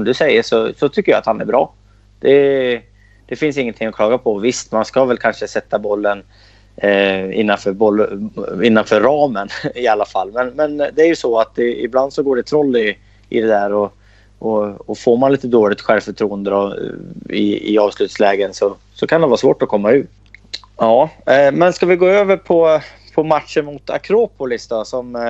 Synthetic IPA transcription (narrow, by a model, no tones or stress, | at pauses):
sɔmd̪ɵsɛjːəʂɔsɔt̪ʰʏkːəjɑ̰ːat̪hanæ̰ɾbɾɑː | d̪̥ɛ | d̪̥ɛfɪnsɪŋːənt̪ʰɪŋːɔkʰlɑːɡapʰɔvɪst̪manskavɛlkʰanʂəsɛt̪ːabɔlːən | ɪ̰nːanfœːɾbɔlːɪnːanfœːɾɾɑːmənɪalːafalːmɛnmɛnd̪ɛæɾjɵsɔat̪d̪ɛɪ̰bland̪sɔɡoːɖɛt̪ʰɾɔlːɪ | ʔɪ̰d̪ɛd̪æːɾɔ | ɔɔfoːɾmanliːt̪əd̪oːɭɪɡ̚t̪ɧɛlvfœʈʰɾuːənd̪əd̪ɔ | ɪ̰ɪ̰ɑːvslʉ̟ːt̪slɛːɡənsɔ | sɔkʰand̪ɛvɑːsvoːʈɔkʰɔmːaʉ̟ːɾ | ɑːmɛnskavɪɡoːøːvəɾpʰɔ | pʰɔmat̪ʂənmʊt̪ʰa̰kʰɾoːpʊlɪsd̪ɔsɔm